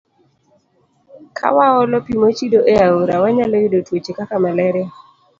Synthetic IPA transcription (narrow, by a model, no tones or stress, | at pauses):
kʰa̰waɔlɔpimot͡ʃidoʔeaoɾawaɲalɔidotwot͡ʃekakamalɛɾɛ